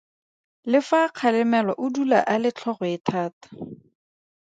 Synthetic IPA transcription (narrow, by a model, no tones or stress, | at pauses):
lɪfaq͡χʰalɪmɛlɔʔʊdula̰ʔalɪt͡ɬʰɔχʊɪtʰaːtḁ